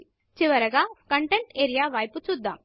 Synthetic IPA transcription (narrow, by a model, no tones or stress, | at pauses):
t͡ʃiʋɐɾɐɡaːkɐɳʈeɳʈeːɾijaːʋɐːjput͡ʃud̪ːa̰ːm